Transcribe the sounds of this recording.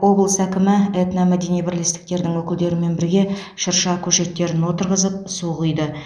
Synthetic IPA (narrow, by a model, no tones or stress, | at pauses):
wo̞blˠəsækʲɪmɪet̪nɑmæd̪e̞nijbɪɾle̞st̪ɪk̚t̪e̞ɾd̪ɪŋwɵkʲɪld̪e̞ɾɪme̞nbɪɾɡʲe̞ | ʃəɾʃɑkʲʰɵʃe̞t̪ːe̞ɾɪnwo̞t̪əɾʁəzəp̚suʁəjd̪ə